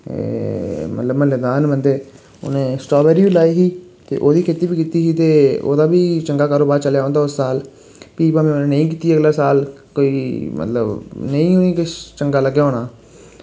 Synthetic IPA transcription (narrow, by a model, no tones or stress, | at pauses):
mə̰t̪ləbməlːed̪aːnbənd̪eː | o̰nẽːsʈɔːbɛːɾiːʋiːlaːiɦiː | t̪ḛːʔoːd̪iːkʰeːt̪iːbiːkiːt̪iːɦiːt̪eːo̰ːd̪aːbiːt͡ʃəŋɡaːkaːɾoːbaːɾt͡ʃəljaːõːnd̪aːʊsːaːl | piːpamẽːonẽːnəĩːk̬iːt̪iːəɡlaːsaːl | koːiːmə̰t̪lə̰bnəĩːonĩːkɪt͡ʃəŋɡaːləɡjːoːnaː